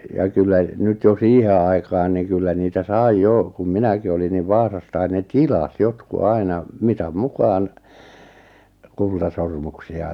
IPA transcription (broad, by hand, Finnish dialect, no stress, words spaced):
jɑ kylːæ nyt jo siːhe ɑi̞kɑːn ni kylːæ niːtæ sɑi joˑ kum minæki olin niʋ ʋɑːsɑstɑin ne tilɑs jotku ɑinɑ mitɑm mukɑːn kultɑsormuksiɑ